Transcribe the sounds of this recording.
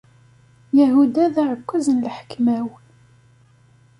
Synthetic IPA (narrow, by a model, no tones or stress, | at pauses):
jæɦud̪æðaʕəkʷːæzənlħə̥kmæw